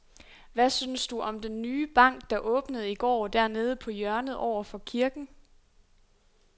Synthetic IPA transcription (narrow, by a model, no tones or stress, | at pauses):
ʋæsynsd̥uʔɒ̽md̥enːyːb̥ɑ̈ŋ̰ɡ̥̚d̥ɑ̈ʔɔ̽ːb̥nəð̞̩ˠiɡ̥ɒ̰ːd̥æɐne̝ːð̞ˠəpʰɒ̽jɶɐnəð̩ˠɒʊ̰ɐfɒ̽kʰiɐɡ̥n̩